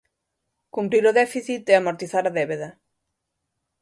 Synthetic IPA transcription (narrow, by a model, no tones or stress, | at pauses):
kumpɾiɾoðɛfiθit̪eamoɾt̪iθaɾaðɛβeðɐ